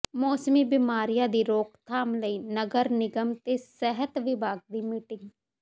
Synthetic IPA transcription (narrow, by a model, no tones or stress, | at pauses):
mɔːsmiːbɪmaːɾijãːd̪iːɾoːkt̪ʰaːmləiːnəɡəɾnɪɡəmt̪eːsɛɦət̪ʋɪbʱaːɡ̚d̪iːmiːʈɪŋɡ